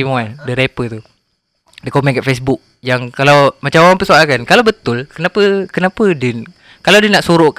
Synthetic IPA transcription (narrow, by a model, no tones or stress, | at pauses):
imuandəɾepət̪u | dəkomɛnkaʔfes̬bʊk̚ | jaŋkalawmat͡ʃamawampəsoalkankalawbət̪ʊlkənapəkənapədin | kalawdinaʔsuɾoʔk